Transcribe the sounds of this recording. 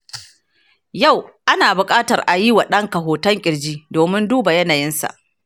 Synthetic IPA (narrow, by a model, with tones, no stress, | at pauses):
ja˦˨wʔa˦naː˨bʊ˨kʼaː˦tɐ˨rʔa˨ji˦wa˨ɗɐ˦ŋkɐ˨ɦoː˨tɐ˦ŋkʲʼɪ˨ɽd͡ʒiː˦doː˨mɪ˦nduː˦ba˨jɐ˦naː˨jɪ˦nsa̰˨ʔ